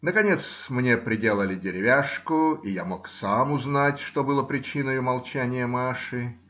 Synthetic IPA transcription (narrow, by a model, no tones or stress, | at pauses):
nəkɐnʲe̞t̪smnʲe̞pɾʲɪdʲe̞lˠəlʲɪdʲɪɾʲɪvʲaʂkʊijamo̞ksamʊznatʲʂt̪obɨlˠəpɾʲɪt͡ɕinəjʊmɐlˠt͡ɕænʲɪjəmaʂɨ